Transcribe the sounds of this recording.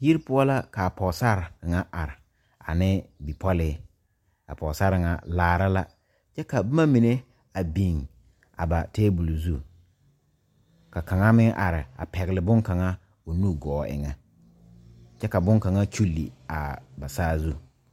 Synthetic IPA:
ji˦ɾpʊ˦ɔ˦la˦ka˨pɔ˨sa˦ɾŋa˦ʔa˨ɾɪ˨ | a̰˨nɪ˦bi˨pɔ˦lɪ˦ | a̰˨pɔ˨sa˦ɾɪ˨ŋa̰˨laː˦˨ɾa˦la˦ | t͡ʃɛ˦ka˨bʊ˦ma˦mi˨ne˦ | a˨bi˨ŋ | a̰˨ba˨teː˦bu˨lzu˦ | ka˨ka˨ŋa˦mɪ˦ŋʔa˨ɾɪ˨a̰˨pɛ˨ɣɪ˨lɪ˨bʊ˦ŋka˨ŋa˦ | o˨nu˦ɡɔː˨ʔɪ̰˨ŋɛ˨ | t͡ʃɛ˦ka˨bʊ˦ŋka˨ŋa˦t͡ʃu˦lːḭ˨a˨ba˨saː˦zu˦

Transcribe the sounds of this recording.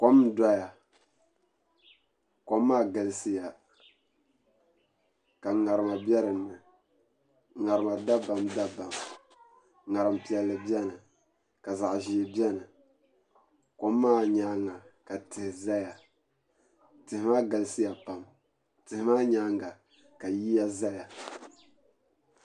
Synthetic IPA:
ko˦m˦da˦ja˨ | ko˦mː˦aː˦˨ɡɨ˨lɨ˦sɨ˦ja˨ | ka˨ŋa˨ɾɨ˨ma˨bɛ˦ɾɨ˨nːɨ˨ | ŋa˨ɾɨ˨ma˨da˦ba˨mda˦ba˨m | ŋa˨ɾɨ˨m˨pi˨ɛ˨lːɨ˨bi˦ɛ˦nɨ˨ | ka˨za˨ʔʒi˨e˨bi˦ɛ˦nɨ˨ | ko˦mː˦aː˦˨ɲaː˦ŋa˨ka˨tɨ˨hɪ˨za˦ja˨ | tɨ˨hɪ˨maː˦ɡɨ˨lɨ˦sɨ˦ja˨pa˨m | tɨ˨ɪ˨maː˦ɲaː˦ŋɡa˨ | ka˨ji˦ja˦za˦ja˨

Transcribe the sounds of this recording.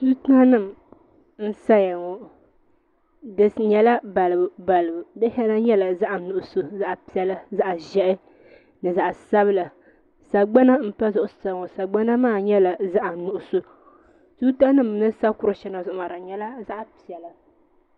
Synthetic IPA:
su˦ta˦nɨ˦˨m | n̩˦sa˦ja˨ŋɔ˨ | dɨ˦ɲɛ˦la˦ba˨lɨ˨bɨ˨ba˨lɨ˨bɨ˨dɨ˦ɦɛ˦na˦ɲɛ˦la˨za˦ʔa˨nʊ˨ʔʊ˨so˨za˦ʔpi˨ɛ˦la˦za˦ʔʒɛ˦ʔɪ˦ | nɨ˨za˨ʔsa˦bɨ˦la˨ | sa˨ɡ͡ba˦na˦m̩˦pa˦zʊ˨ʔʊ˨sa˨˦˨ŋɔ˨sa˨ɡ͡ba˦na˦maː˦˨ɲɛ˦la˨za˦ʔa˨nʊ˨ʔʊ˨so˨ | su˦ta˦nɨ˦˨mnɨ˦sa˦kʊ˦ɾʊ˨ʃɛ˦na˨zʊ˦ʔʊ˦˨ma˨ɾa˨ɲɛ˦la˦za˦ʔpi˨ɛ˨la˨

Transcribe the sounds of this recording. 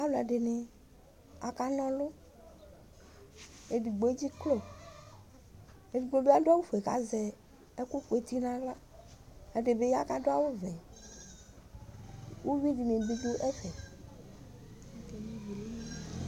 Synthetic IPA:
a˦lo˨a̰˨ɖe˨ne˨ | a˨ka˦nɔ̃˦lo˦ | e˨ɖi˨ɡ͡bo˨e˦d͡ʑi˦klo˦˨ | e˨di˨ɡ͡bo˨bo˦a˦do˦a˦wu˦fo˨e˨ka̰˨zɛ˨ | e˦ku˦ɸo˨e˨t̪i˦nã˦la˦ | e˦ɖe˨be˦ja˦ka˦ɖo˦a˦wo˦vɛ˨ | wʔo˦vi˦ɖi˨nẽ˨bi˦d̪o˦ʔɛ˦fɛ˨˦˨

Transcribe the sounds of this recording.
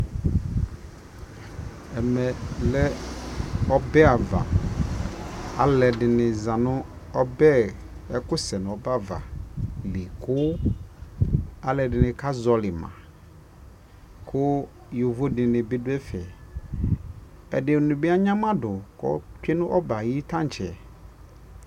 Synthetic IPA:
ɛ˨mɛ˨lɛ˦ | ɔ˦bɛ˦a˨va̰˨ | a˨lɛ˨dɪ˨nɪ̃˨zã˨nʊ̃˦ | ɔ˦bɛ˦ | ɛ˦kʊ˦sɛ˨n˨ɔ˦ba˦˨va̰˨lɪ˨kʊ˦ | a˨lɛ˨dɪ˨nɪ̃˨ka˦zɔ˨lɪ˨mã̰˨ | kʰʊ˦ | jo˨vo˦dɪ˨nɪ̃˨bɪ˦dʊ˦ɛ˦fɛ˨ | ɛ̰˨dɪ˨o˨nʊ̃˨bi˦a˦ɲã˦mã˦dʊ˨kɔ̰˨˦t͡ʃᶣɪ˦nʊ̃˦ʔɔ˦ba˨ji˦tã˦˨t͡ʃʰɛ˨

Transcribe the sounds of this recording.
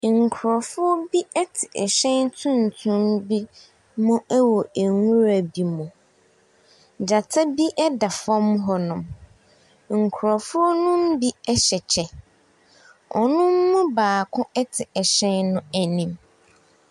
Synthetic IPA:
ŋ̩˨kʰʊ˨ɾɔ˨fʊ˦ɔ˦bi˦ɛ˦tʰɪ˨ʔɛ˨ɕɛ̃˦ntʰũ˦n˨tʰũ˦mbi˦ | mʊ̃˦ɛ˦wɔ˨æ˨ŋũ˦ɾa˨bi˨mʊ̃˨ | d͡ʑa˨tʰa˦bi˦ʔɛ˦da˨fɔ˦m˦ɦɔ˦nʊ̃˨m | ŋ̩˨kʰʊ˨ɾɔ˨fʊ˦ɔ˦nʊ̃˦m˦bi˦ɛ˦ɕɛ˨t͡ɕʰɛ˨ | ɔ̰˨nʊ̃˦mːʊ̃˦baː˨kʰʊ̃˦ʔɛ˦tʰɪ˨ʔɛ˨ɕɛ̃˦nnʊ̃˦æ˨nĩ˨m

